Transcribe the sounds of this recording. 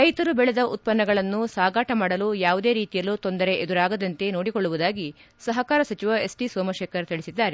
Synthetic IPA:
ɾɐjt̪ɐɾubɛɭed̪ɐʔut̪̚pɐnːɐɡɐɭɐnːusaːɡaːʈɐmaːɽɐlujaːʋud̪eːɾiːt̪ijɐlut̪o̞nd̪ɐɾe̞ʔed̪uɾaːɡɐd̪ɐnt̪e̞noːɽikoɭːuʋud̪aːɡi | sɐɦɐkaːɾɐsɐt͡ʃiʋɐe̞sʈisoːmɐʃeːkɐɾt̪iɭisid̪ːaːɾe

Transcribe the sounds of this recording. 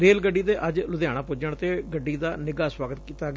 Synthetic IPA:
ɾeːlɡəɖːiːd̪eːʔəd͡ʒlʊd̪jaːɽ̃aːpʊd͡ʒəɳt̪eːɡəɖːiːd̪aːnɪɡaːswaːɡət̪kiːt̪aːɡ

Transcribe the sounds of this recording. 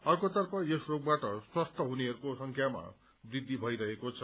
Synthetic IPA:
ʌrkot̪ʌrpʰʌesrok̚baʈʌswʌst̪ʰʌɦuneɦʌɾukosʌŋkʰjama̰ | d̪id̪ʱːibʱʌjɾʌɦekot͡sʰʌ

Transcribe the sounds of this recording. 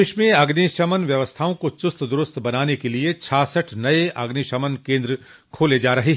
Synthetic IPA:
ɪʃmẽɐɡniʃɐmənʋjɐʋəst̪ʰaːõkot͡ʃʊst̪ʰd̪ʊɾʊst̪ʰbɐnaːnekeliet͡ʃʰaːsəʈʰnɐeʔɐɡniʃɐmənkẽːnd̪ɾə | kʰoːled͡ʒaːɾɐɦeɦ

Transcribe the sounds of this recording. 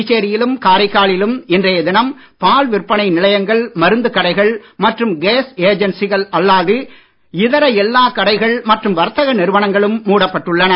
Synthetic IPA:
ɪt͡ʃeːɾɪjɪlɯmkaːɾɐɪkːaːɭɪlɯmɪndrɐjɐd̪ɪnɐm | paːlʋɪrpːɐɳɐɪnɪlɐjɐŋɡɐɭmɐɾɯnd̪ɯkːɐɽɐɪɣɐɭmɐʈrɯmɡeːseːd͡ʒɐnsɪɣɐɭɐlːaːðɯ | ɪðɐɾɐɛlːaːkɐɽɐɪɣɐɭmɐʈrɯmʋɐɾt̪ːɐɣɐnɪɾɯʋɐnɐŋɡɐɭɯmːuːɽɐpːɐʈːɯɭːɐnɐ

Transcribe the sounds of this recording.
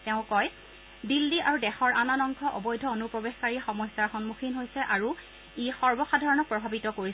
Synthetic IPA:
tɛʊ̃kɔj | dilːiʔaɹudɛxɔɹananɔŋkʰɔʔɔ̰bɔjdʱɔonupɹɔbexkaɹixɔmɔjsaɹxɔnmuxʰinɦojsɛʔaɹu | ixɔɹbɔxadʱaɹɔnɔk̚pɹɔbʱabitɔkoɹis

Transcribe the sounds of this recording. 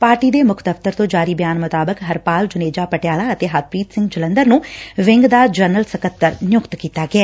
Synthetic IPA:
paːɾʈiːd̪eːmʊkʰd̪əpt̪əɾt̪õːd͡ʒaːɾiːbjaːnmʊt̪aːbəkɦəɾpaːld͡ʒʊneːd͡ʒaːpəʈjaːlaːət̪eːɦat̪̚ʰpiːt̪sɪ̃ŋɡd͡ʒɪlə̃nd̪əɾnũːʋɪ̃ŋɡd̪aːd͡ʒəɾnəlsəkət̪ːəɾnjʊkt̪kiːt̪aːɡɪɛː

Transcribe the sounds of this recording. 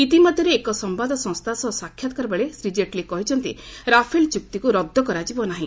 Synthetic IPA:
it̪imɔd̪ʱjɔɾeːkɔsɔmbad̪ʱɔsɔ̃ŋst̪ʰasɔsakʰːjat̪ɔ̥kɔɾbeɭesɾid͡ʒeʈlekɔɦit͡ʃʰɔnt̪iɾapʰelt͡ʃuk̚t̪ikuɾɔd̪ʱːɔkɔɾad͡ʒibɔnaɦĩ

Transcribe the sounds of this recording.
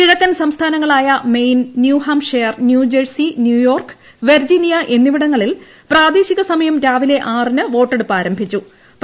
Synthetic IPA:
kiɻɐkːɐnsɐmst̪ʰaːnɐŋːɐɭaːjɐme̞jnːjuːɦaːmʂejɐrnjuːd͡ʑɐrsinjuːjo̞ːrk | ʋerd͡ʑinijɐʔe̞nːiʋiɽɐŋːɐɭil | praːd̪eːɕiɣɐsɐmɐjɐmɾaːʋile̞ʔaːrinɨʋo̞ːʈːeɽupːaːɾɐmbʱit͡ɕːu | p

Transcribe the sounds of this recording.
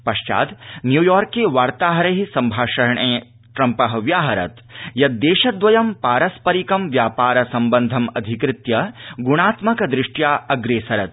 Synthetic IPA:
pɐʃt͡ʃa̰ːd̪njuːjɔːɾkːeʋaːɾt̪aːɦɐɾɐɦisɐmbʱaːʃɐɾɐɳʔeː | ʈɾɐmpɐɦɐʋjaːɦɐɾɐ̰t̪ | jɐt̪̚d̪eːʃɐd̪ʋɐjɐmpaːɾɐspɐɾikɐmʋjaːpaːɾɐsɐmbɐnd̪ʱɐmɐd̪ʱikɾɪt̪jɐɡuɽ̃aːt̪mɐkɐd̪ɾɪʂʈjaːɐɡɾeːsɐɾɐt̪̚

